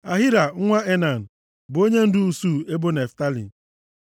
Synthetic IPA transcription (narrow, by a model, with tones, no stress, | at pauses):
a˨ɦɪ˦ɾa˨ŋ̩˦ŋʷa˦e˦na˨n̩˨ | bo˦ɲe˦n̩˦dʊ˦u˨su˦˨e˦bo˦ne˨fta˦lḭ˨